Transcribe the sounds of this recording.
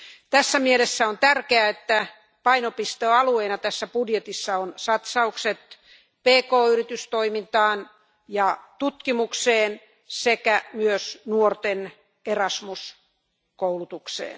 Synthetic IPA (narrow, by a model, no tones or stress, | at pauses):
t̪æsːæmielesːæont̪ærkeæet̪ːæ | pɑinopist̪oːɑlueinɑt̪æsːæpudjet̪isːɑonsɑt̪sɑukset̪ | peːkoːyrit̪yst̪oimint̪ɑːn | jɑt̪ut̪kimukseːn | sekæmyøsnuort̪en | erɑsmus | koulut̪uksḛːn